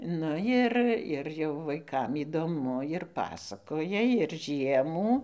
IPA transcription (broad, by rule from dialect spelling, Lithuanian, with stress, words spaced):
ˈnʊ jɪr ɪr jɛʊ ʋɐɪˈkɐm iːdoːˈmʊ ɪr ˈpɑːsɐkoːjɛ ɪr ˈʒʲiɛmuː